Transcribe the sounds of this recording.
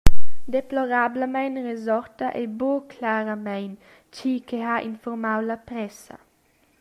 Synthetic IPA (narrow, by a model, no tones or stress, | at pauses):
d̪eploɾabləmɛjnrezɔɾt̪aʔebokʰlaɾamɛjn | t͡ʃikʰeaʔḭnfɔɾmawlapɾɛsɐ̰